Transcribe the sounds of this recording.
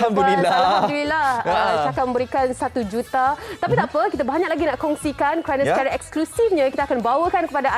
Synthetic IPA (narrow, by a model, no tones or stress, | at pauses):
hamd̪uiahad̪ulilahəsakamə̃mbəɾikansat̪ud͡ʒut̪at̪apit̪aʔpəkit̪abaɲaklaɡinaʔkɔŋsikankəɾanasət͡ʃaɾaʔɛksklusifɲãkit̪akanbawəkankəpada